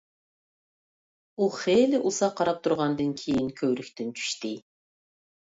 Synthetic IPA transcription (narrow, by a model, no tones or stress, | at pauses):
uχelɪʔusɑqʰːɑɾɑp̚t̪ʰuɾʁɑnd̪ɨnkʲʰejinkʲʰøwɾykʲt̪ɪnt͡ʃʰy̥ʃt̪ɪ